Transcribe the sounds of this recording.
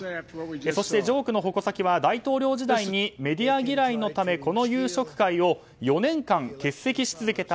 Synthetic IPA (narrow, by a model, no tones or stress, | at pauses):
eso̞ɕt̪e̞ʑo̞ːkɯ̟no̞ɦo̞ko̞sakʲiβad̪ait̪o̞ːɾʲo̞ːʑid̪aiɲ̟ime̞d̪ʲiaɡʲiɾaino̞t̪ame̞ko̞no̞jɯ̟ːɕo̞kɯ̟̥kaio̞ | jo̞nẽ̞ŋkãŋke̞sːe̞kʲiɕi̥t͡sɨzɨke̞t̪a